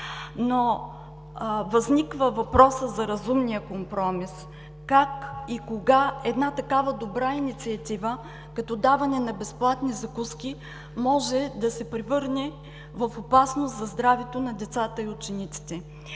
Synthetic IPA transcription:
no | vɐznikvəvɐpɾɔsəzɐɾɐzumnijəkompɾɔmis | kakikoɡaɛd̪nat̪ɐkavɐd̪obɾainit̪siɐt̪ivə | kɐt̪ɔd̪avɐnɛnɐbɛsplˠat̪nizɐkuskʲi | mɔʒɛd̪ɐsɛpɾɛvɤɾnɛ | vɐfopasnoszɐzd̪ɾavɛt̪onɐd̪ɛt̪sat̪əiʊt͡ʃɛnit̪si̥t̪ɛ

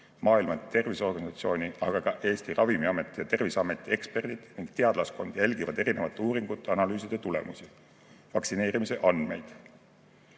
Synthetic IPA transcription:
mɑːilmɑt̪t̪e̞rviso̞rɡ̥ɑnisɑt̪sio̞ːnʲiʔɑɡ̥ɑkɑʔe̞ːst̪irɑvimiɑme̞t̪ːˑjɑt̪e̞rvisɑme̞t̪ːˑie̞kspe̞rd̪̥id̪̥niŋɡ̥t̪e̞ɑd̪̥lɑsko̞nd̪̥jælʲɡ̥ivɑ̰d̪̥e̞ɾinevɑt̪ːˑuːɾiŋɡ̥ut̪ːˑɑnɑlyːsid̪̥e̞t̪ule̞̰musi | vɑksine̞ːɾimise̞ʔɑnd̪̥me̞jd̪̥

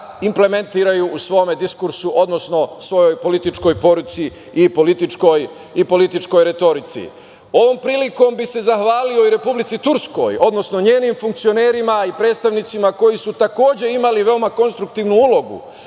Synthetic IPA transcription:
imple̞me̞nt̪iːɾajuʔːsʋo̞ːme̞d̪iskuɾsuʔo̞d̪no̞sno̞sʋo̞jo̞jpo̞lit̪it͡ʃko̞jpo̞ɾut̪siː | po̞lit̪it͡ʃko̞j | ipo̞lit̪it͡ʃko̞jɾe̞t̪o̞ɾit̪sḭ | o̞ʋo̞ːmpɾiːliko̞mbise̞zaxʋaːlio̞iɾe̞publit̪sit̪uɾsko̞̰jo̞d̪no̞sno̞ɲe̞ːnimfuŋkt̪sio̞ne̞ːɾimaipɾed̪t̪st̪aʋnit̪simako̞jisut̪ako̞ːd͡ʑe̞imaliʋe̞omako̞nst̪ɾuk̚t̪iːʋnuulo̞ɡṵ

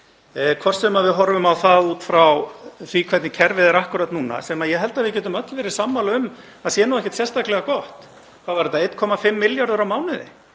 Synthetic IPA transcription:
kʰvɔr̥st̪sɛmavɪðɦɔɾvʏmawθaðuːt̪fɾawθikʰvɛt̪nɪcʰɛɾvɪðɛɾahkʏɾat̪nuːna̰sɛmajɛɦɛlt̪aðvɪðcɛːt̪̬ʏmœt̪lɪvɛːɾɪ̥samːalʏm | aðsjɛːnuwɛhcɛ̥t̪sjɛst̪aklɛɣakɔht̪ | kʰawvaɾɪt̪ːaejt̪kʰɔːmafɪmːɪljaɾðʏɾawmaːwnɪðɪ̰

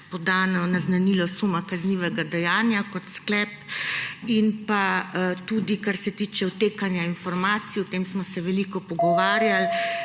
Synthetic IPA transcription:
pɔd̪aːnɔnaznanilɔsumakazniʋɛɡad̪ɛjaːnjakɔt̪sklɛp | inpat̪ud̪ikaɾsɛt̪iːt͡ʃɛwt̪eːkanjainfɔɾmaːt̪sijɔt̪emsmɔsɛʋɛlikɔpɔɡɔʋaːɾjal

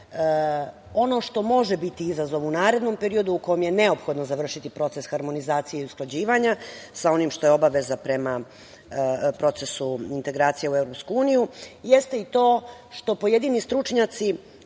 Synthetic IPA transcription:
o̞no̞ʂt̪o̞mo̞ʒebit̪iizazo̞ʋunaːɾe̞d̪no̞mpe̞ɾio̞d̪uːkojomje̞ne̞o̞pxo̞d̪nozaʋr̩ʃit̪ipɾo̞t̪sesxaɾmo̞nizaːt̪sijeiusklˠad͡ʑiːʋaɲasao̞nimʃt̪o̞jeo̞baʋezapɾema | pɾo̞t̪sesuint̪e̞ɡɾaːt̪sijeuevɾo̞pskuuːnijujest̪eit̪o̞ː | ʃt̪o̞po̞jed̪inist̪ɾut͡ʂɲat̪si

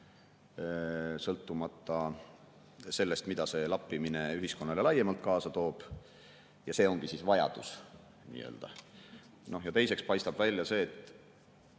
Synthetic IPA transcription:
sɤlt̪ːumɑt̪ːˑɑ | se̞lːe̞st̪mid̪̥ɑse̞lɑpːimine̞yɦisko̞nːɑle̞lɑjːemɑlt̪̚ˑkɑːsɑt̪o̞ːb̥ | jɑse̞ːo̞ŋɡ̥isiːsvɑjɑ̰d̪̥us | nḭːø̞̰ːld̪̥ɑ | no̞hjɑt̪e̞jse̞kspɑjst̪ɑb̥vælʲjɑse̞ːt̪ːˑ

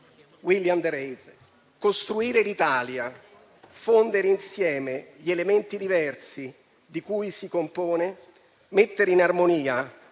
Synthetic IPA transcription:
wiljamd̪ɾejv | kost̪ɾuiːɾelit̪aːlja | fond̪eɾeinsjɛːmeʎielement̪id̪ivɛrsi | d̪ikuːjsikompoːne | met̪ːeɾinarmoniːa

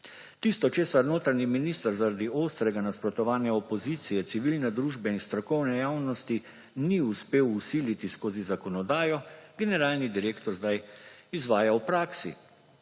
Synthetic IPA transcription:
t̪iːst̪ɔt͡ʃeːsaɾnoːt̪ɾaniminist̪aɾzaɾad̪ioːst̪ɾɛɡanaspɾɔt̪ɔʋaːnjaɔpɔziːt̪sijɛt̪siʋilnɛd̪ɾuːʒbɛinst̪ɾɔkɔwnɛjaːwnɔst̪i | niuspeːwusiːlit̪iskoːzizakɔnɔd̪aːjɔɡɛnɛɾaːlnid̪iɾeːkt̪ɔɾzd̪ajizʋaːjawpɾaːksḭ

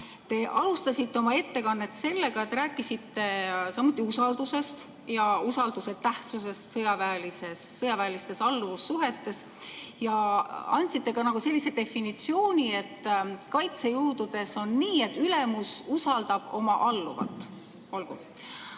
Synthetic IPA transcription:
t̪e̞ʔɑlust̪ɑsʲit̪ːe̞o̞mɑe̞t̪ːe̞kɑnːe̞t̪se̞lːe̞ɡɑet̪ːræːkːˑisit̪ːe̞sɑmːut̪ˑːiusɑld̪use̞st̪ | jɑusɑld̪use̞t̪æht̪suse̞st̪sɤjɑvæːlisesːɤjɑvæːlist̪e̞sɑlːuvusːuɦe̞t̪ːe̞s | jɑɑ̰nʲt̪sit̪ːe̞ɡɑnɑɡ̥use̞lːise̞d̪e̞finit̪sio̞ːnʲie̞t̪ːkɑjt̪se̞juːd̪ud̪̥e̞so̞nːiːe̞t̪ːyle̞mususɑld̪̥ɑb̥o̞mɑʔɑlːuvɑ̰t̪ːˑ | olɡ̥ṵ

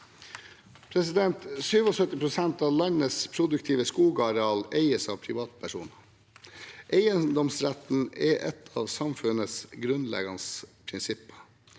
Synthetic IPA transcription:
pʰɾɛsɪd̪ɛnt̪syːʋɔsœt̪ɪpʰɾʊsɛnt̪ɑːʋlɑɲəspʰɾʊd̪ʉk̚t̪ʰiːʋəskuːɡɑɾɛɑːleɪəsɑːʋpʰɾɪʋɑːt̪̚pʰæʂṵːnə | ʔeɪənd̪ɔmsɾæt̪n̩ɛʔɛt̪ʰɑ̰ːʋsɑmfʉnəsɡɾʉnlɛ̰ɡɑnspʰɾɪnsɪpːə̥

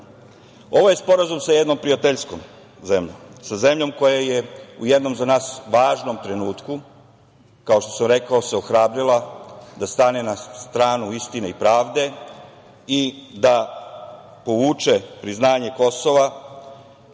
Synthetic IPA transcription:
o̞ʋoje̞spo̞ɾazumsajed̪no̞mpɾijat̪eʎsko̞m | ze̞mʎo̰msaze̞mʎo̞mko̞jaje̞uje̞d̪no̞mzanaːsʋaːʒno̞mt̪ɾe̞nuːt̪ku | kao̞ʃt̪o̞samɾe̞kaoseoxɾaːbɾilˠad̪ast̪anenast̪ɾaːnuist̪ineipɾaːʋd̪e̞ | id̪a | po̞ʋuːt͡ʃe̞pɾiznaːɲe̞ko̞so̞ʋa

